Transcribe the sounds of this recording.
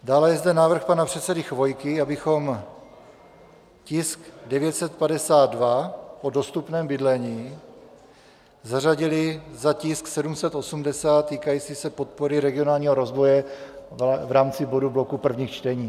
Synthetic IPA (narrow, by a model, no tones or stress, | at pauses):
daːlɛjɛzd̪ɛnaːvr̩xpanapr̝̥ɛt̪sɛdɪxvo̞jkɪabɪxo̞m | cɪskdɛvjɛt̪sɛt̪̚padɛsaːd̪dvapo̞do̞st̪upnɛːmbɪdlɛɲiː | zaraɟɪlɪzacɪsksɛdumsɛt̪ʔo̞sumdɛsaːt̪ːiːkajiːt͡siːsɛpo̞t̪̚po̞ɾɪɾɛɡɪo̞naːlɲiːɦoɾo̞zvo̞jɛ | vɾaːmt͡sɪbo̞dublo̞kupr̩vɲiːxt͡ʃt̪ɛɲiː